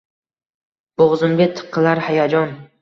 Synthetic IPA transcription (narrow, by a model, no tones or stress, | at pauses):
b̥oʁzʊmbʲet̪ʰːɨ̥qʰːɨlaɾhajad͡ʒɒn